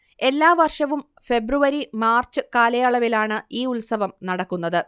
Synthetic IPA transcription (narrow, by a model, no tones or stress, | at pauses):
e̞lːaːʋɐrʂɐʋum | fe̞bruʋɐɾimaːrt͡ɕːɨkaːlɐjaːɭɐʋilaːɳɨiːulsɐʋɐmnɐɽɐkːun̪ːɐðɨ